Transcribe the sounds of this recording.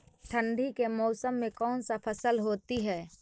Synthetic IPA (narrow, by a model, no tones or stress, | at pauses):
ʈʰə̃ɳɖʱikemɔːsəmːẽkɔːnsapʰəsəlɦoːt̪iɦɛː